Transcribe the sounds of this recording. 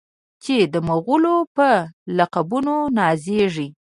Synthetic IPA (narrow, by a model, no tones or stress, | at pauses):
t͡ʃed̪əmaɣulopəlaqabunonɑzeʐi